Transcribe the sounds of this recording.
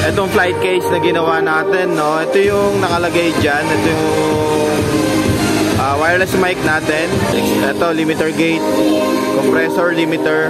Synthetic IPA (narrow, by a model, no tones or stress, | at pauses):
ʔɛt̪o̞ŋflajt̪̚kejsnɐɡɪnɐwanaːt̪ɛnːoʔɛt̪ojʊŋnɐŋɐlɐɡajd͡ʒanʔɛt̪ojʊʊŋ | ʔɐwajɹlɛsmajk̚naːt̪ɛnʔɛ̰ksʔɛt̪o̞limɪt̪ɛɹɡejt̪̚kɔmpɾɛsoɹlimɪt̪ɛɹ